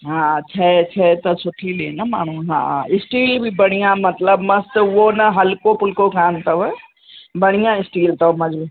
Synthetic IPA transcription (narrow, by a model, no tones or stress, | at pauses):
ɦãt͡ʃʰɛt͡ʃʰɛt̪ɐsʰʊʈʰileːnɐma̰ːɽ̤̃ũɦã̰ːɪsʈiːlbʱibɐɽ̃ijãmɐt̪ləbmɐst̪ʋonɐɦɐlkopʊlkokʰãːnt̪ɐʋɛ | bɐɽ̃ijãɪsʈiːlt̪ɐʋmɐd͡ʒb